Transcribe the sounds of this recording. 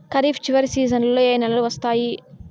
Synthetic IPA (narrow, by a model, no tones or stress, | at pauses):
kɐɾiːpʰt͡ʃiʋɐɾisiːzɐnllo̞ːeːjnɛlɐluʋɐst̪aːji